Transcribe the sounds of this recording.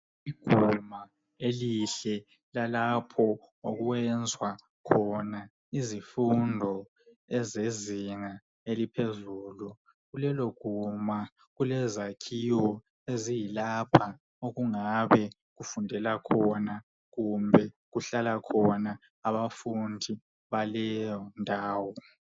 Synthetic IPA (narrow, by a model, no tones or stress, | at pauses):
iɡ̥ʱuma | eliɬɛ | lalapʰɔ | oɣuwɛnd͡zʱwa | kʰɔna | izifundʱɔ | ɛzeziŋa | elipʰezuːlu | ɣulɛloɡ̥ʱuma | ɣulɛzakʰiwɔ | ezijilapʰa | oɣuŋaβɛ | ɣufundʱɛlakʰɔna | ɣumbʱɛ | ɣuɬalakʰɔna | aβafundʱi | βalɛjɔndʱaːwɔ